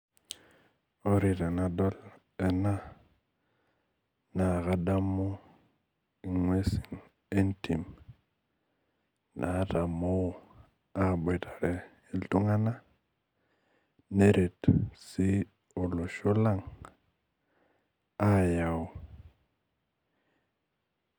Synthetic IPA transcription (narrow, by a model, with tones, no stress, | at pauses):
o˦ɾi˨te˨na˨do˦l | e˨na˦ | na˨ɣa˦da˦mːu˦ | i˨ŋwe˦si̥˨n | e˦nti˨m | nʔa˨˦ta˨mo˦˨ | a˦˨ɓo˨tḁ˨ɾe˨ | i˦ltu˦ŋa˦na˦ | ne˦ɾe˨tsi˦ | o˨lo˨ʃo˦la˦ŋ | a˦ja˨w